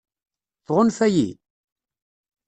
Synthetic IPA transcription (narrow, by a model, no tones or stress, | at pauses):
θʁʊnfæjḭ